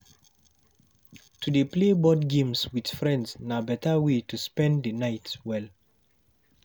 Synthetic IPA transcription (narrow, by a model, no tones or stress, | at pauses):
tʰudeplebɔdɡẽmswid̥fɹɛ̃ndsnabɛtawetuspɛ̃ndənaɪtwɛl